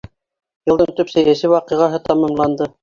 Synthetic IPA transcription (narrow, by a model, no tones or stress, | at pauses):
jɤ̆lˠd̪ɤɴt̪ɵpsæjæsɘwɑqɤ̆ʁɑɦɤt̪ɑmɑmlˠɑnd̪ɤ